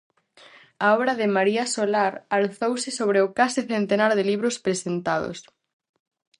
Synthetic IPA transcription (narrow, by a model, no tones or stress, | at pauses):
aɔβɾɐðɪmaɾiasolaɾalθowsɪsoβɾeʊkasɪθent̪enaɾðɪliβ̞ɾospɾesent̪aðo̰s